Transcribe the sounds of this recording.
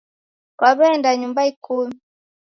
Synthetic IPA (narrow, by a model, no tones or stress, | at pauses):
kwaβɛndaɲumbaikumi